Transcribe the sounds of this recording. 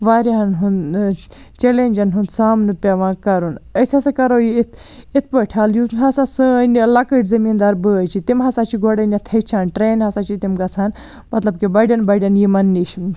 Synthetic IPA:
ʋaːɾʲiɦɐnɦun | t͡ʃelenʲd͡ʒɐnɦund̪saːmnɨpʲɐʋãːkɐɾunɐsʲɐsakɐɾoːjiit̪ʰ | it̪ʰpəʈʰaːljuɦɐsasɨnlɐkəʈzɐmiːnd̪aːɾbɨɐt͡ʃʰit̪imɦɐsaːt͡ʃʰiɡoɽɐnʲjɐt̪ʰɐt͡ʃʰaːnʈɾeːnɦɐsat͡ʃʰit̪imɡɐt͡sʰaːn | mɐt̪lɐb̚kibɐɖʲɐnbɐɖʲɐnjimɐnːiʃm

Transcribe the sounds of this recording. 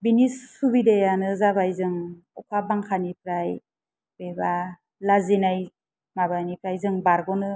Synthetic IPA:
binisːubidejanɯzabajzɯŋ | ɔkʰabaŋkʰanipɾaj | b̥eba | lazinaj | mabanipɾajzɯŋbaɾɡɔnɯ

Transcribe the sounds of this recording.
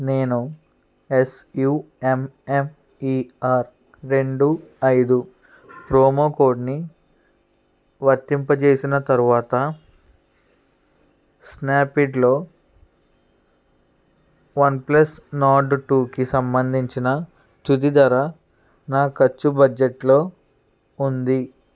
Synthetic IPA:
ne̞ːnu | esjuː | emem | iːaːɾ | ɾe̞ɳɖuɐjd̪u | pɾoːmoːkoːɾɖni | ʋɐt̪ːimpɐt͡ʃe̞ːsinɐt̪ɐɾuʋaːt̪ɐ | snaːpiɖlo̞ː | ʋɐnplɐsnaːɖʈuːkisɐmbɐnd̪ʱiɲt͡ʃinɐ | t̪ut̪id̪ɐɾɐ | naːkɐt͡ʃːubɐd͡ʒeʈlo̞ː | und̪i

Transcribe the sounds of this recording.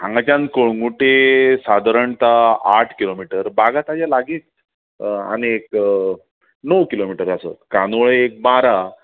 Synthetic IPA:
ãŋɡat͡ɕãnkoɭŋɡuʈesad̪ʱaɾəɳt̪aaʈʰkilomiʈəɾbaɡat̪ad͡ʑalaɡiːt̪̚ | a̰niek | nəwkilomiʈəɾəsə̰t̪kanoɭeek̚baɾa

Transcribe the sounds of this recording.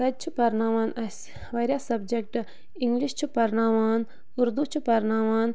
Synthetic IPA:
ɾɐd͡ʒ̚t͡ʃʰupɐɾnaːʋaːnɐs | ʋɐɾʲjaːsɐbd͡ʒek̚ʈ | iŋɡliʃt͡ʃʰupɐɾnaːʋaːn | uɾd̪ut͡ʃʰupɐɾnaːʋaːn

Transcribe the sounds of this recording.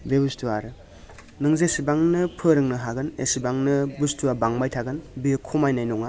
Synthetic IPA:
bebustʰuaɾɯ | nɯŋzesibaŋnɯpʰɯɾɯŋnɯɦaɡɯnḛsibaŋnɯbustʰuabaŋbajtʰaɡɯnbikʰumajnajnɔŋa

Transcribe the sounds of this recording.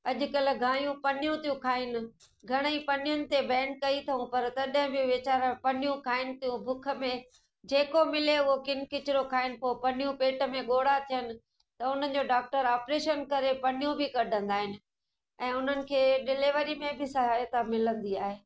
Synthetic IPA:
ɐʄʊ̆kɐl̆ɡʱaːɽjũpɐnɪjũt̪ʰijũkʰaːɦɪnɪ̆ | ɡʱɐɽ̃əipɐnɪjʊnɪ̆t̪ebɛ̃ːɳʈ̚kɐit̪ʰɐũpɐɾt̪ɐɗɦɪ̃bʱijũʋɪt͡ɕaːɾpɐnijũkʰaːɪnɪ̆t̪ʰijũbʱʊkʰə̆mẽ | d͡ʑeːkomɪleʊɦokɪnɪkɪt͡ɕɪɾokʰaːɪnɪ̆poːpɐnijũpeːʈə̆mẽɠoːɽat̪ʰijənɪ̆ | t̪ɐʊn̤ə̆d͡ʑoːɖaːk̚ʈəɾaːpɾeːʃənkɐɾepɐnɪjũbʱɪkɐɖʱə̃nd̪aːɦɪnɪ̆ | ɛ̃ːʊn̤ənɪ̆kʰeːɖɪlɪʋəɾimẽbʱɪsɐɦaːjət̪amɪlə̃nd̪iaːɦeː

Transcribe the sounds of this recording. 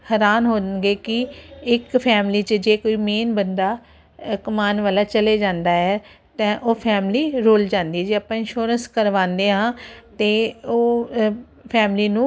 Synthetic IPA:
həɾaːnɦoːɡeːkɪɪkpʰɛːmliːt͡ʃəd͡ʒeːkoːiːmeːnbənd̪aː | kʊmaːnʋaːlaːt͡ʃəleːd͡ʒãːnd̪aːɛː | t̪ɛ̃ːʔoːpʰɛːmliːɾoːld͡ʒãːnd̪iːɛːd͡ʒeːaːpːãːɪ̃nʃoːɾənskəɾʋãːnd̪eːɦãːt̪eːoː | pʰɛːmliːnũː

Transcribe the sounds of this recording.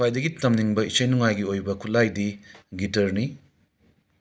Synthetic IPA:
ajdɐɡitɐmniŋbɐisɐjnuŋajɡiojbɐkʰutlːajdiɡitɐɾni

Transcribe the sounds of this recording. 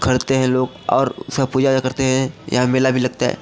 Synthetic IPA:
kʰɐɾt̪eɦɛ̃loːɡ | ɔ̰ːɾskapuːd͡ʒaakɐɾt̪eɦɛ̃jɐ̰ɦãmeːlabʱilɐɡ̚t̪aɦɛ̰ː

